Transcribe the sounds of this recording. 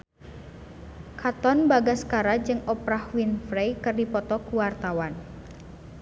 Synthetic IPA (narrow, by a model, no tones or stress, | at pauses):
kʰat̪ɔnbaɡaskaɾad͡ʒɨŋɔpɾahwinfɾejkɨrdipɔt̪ɔkuwart̪awan